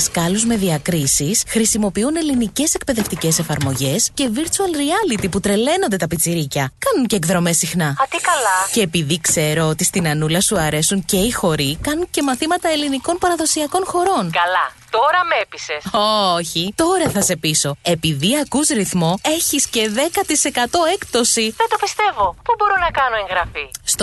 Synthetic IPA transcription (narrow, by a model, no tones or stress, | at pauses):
skɐluzme̞ðiɐkɾisisxɾisimo̞piune̞linice̞se̞kpe̞ðe̞ft̪ice̞se̞fɐɾmo̞ʝe̞sce̞viɾt͡suɐlɾiɐlit̪iput̪ɾe̞le̞no̞nd̪e̞t̪ɐpit͡siɾicɐkɐnunceːɡðɾo̞me̞sixnɐɐt̪ikɐlɐce̞ːpiðikse̞ɾo̞ot̪ist̪inɐnulɐsuɐɾe̞suŋce̞ixo̞ɾikɐnunce̞mɐθimɐt̪ɐe̞liniko̞npɐɾɐðo̞siɐko̞nxo̞ɾo̞nkɐlɐt̪o̞ɾɐmepisesoçit̪o̞ɾɐθɐse̞piso̞e̞piðiɐkusɾiθmo̞e̞çisce̞ðe̞kɐt̪ise̞kɐt̪o̞e̞kt̪o̞siðet̪o̞pist̪e̞vo̞pubo̞ɾo̞nɐkɐno̞ẽŋɣɾɐfist̪